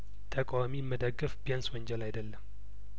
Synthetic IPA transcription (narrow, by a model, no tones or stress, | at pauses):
t̪ʰəkʼawamimːəd̪əɡːəfbjanswəɲd͡ʒɛlajd̪əlːəm